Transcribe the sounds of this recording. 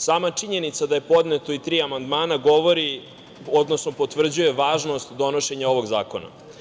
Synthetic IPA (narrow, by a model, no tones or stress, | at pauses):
saːmat͡ʂiɲe̞nit̪sad̪aje̞po̞d̪net̪o̞it̪ɾiːamand̪maːnaɡo̞ʋo̞ɾi | o̞d̪nosno̞po̞t̪ʋr̩d͡ʑuje̞ʋaːʒno̞st̪d̪o̞no̞ʃe̞ɲao̞ʋo̞ɡzaːko̞na̰